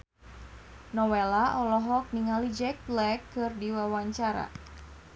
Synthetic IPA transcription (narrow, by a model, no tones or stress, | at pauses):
nɔwelaʔɔlɔɦɔk̚niŋalid͡ʒɛk̚blɛkːɨrdiwawaɲt͡ʃaɾa̰